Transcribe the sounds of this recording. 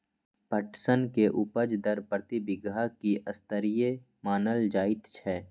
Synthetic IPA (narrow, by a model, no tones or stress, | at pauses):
pəʈsənkeʔʊpəd͡ʒd̪əɾpɾət̪ibɪɡakiʔəst̪əɾije | maːnəld͡ʒaːɪt̪t͡ʃʰɛː